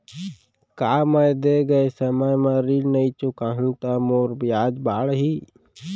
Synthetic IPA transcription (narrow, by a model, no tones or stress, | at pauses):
kaːməjd̪eɡəesəməjmãɾilnəĩt͡ʃʊkaːɦũt̪amoːɾbɪjaːd͡ʒbaːɽɦiː